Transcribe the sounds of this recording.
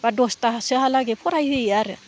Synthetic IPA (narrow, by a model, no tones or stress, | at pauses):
badostaɦasahalaɡepʰoɾajhejaɾe